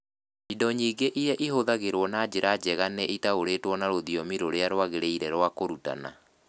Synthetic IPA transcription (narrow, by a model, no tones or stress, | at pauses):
idɔɲiːɡeʔiɾɛʔiɦoðaɣeɾwɔnad͡ʑeɾad͡ʒɛɣanɛʔitaoɾeːtwɔnaɾoðiɔmiɾoɾeaɾwaɣeɾeiɾɛɾwakoɾuta̰na̰